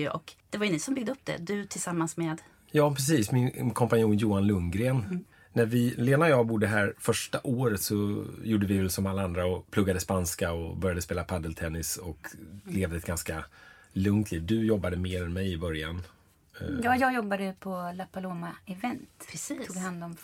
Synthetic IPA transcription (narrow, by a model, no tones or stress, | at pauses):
ʔɔ̰kd̪̥ɛvaɾjʏniːsɔmbʏɡd̪əɵp̚ːd̪ɛ̰d̪ɵt̪ʰɪlsamːansmeːd̪ | jɑːpʰɾɛs̬iːsmɪnkʰɔmpanɪuːnjuːanlɵŋɡɾeːnː | æɾvɪleːnaɔjɑːbʊd̪ːəɦæːɾfœʂʈaʔoːɾət̪sɔjuːɖəvɪvɛlsɔmalːaand̪ɾaɔpʰlɵɡːad̪əspanskaɔbœɾjad̪əspeːlapʰad̪əlt̪ʰɛnːɪsɔkleːvd̪əɛt̪̚ɡanska | lɵŋt̪ʰliːvd̪ɵjɔbːad̪əmeːɾɛnmɛjɪbœɾja̰n | jɑːjɑjɔbːad̪əpʰɔlapaloːmaɛvɛnt̪pʰɾɛsiːuːɡvɪhand̪ɔm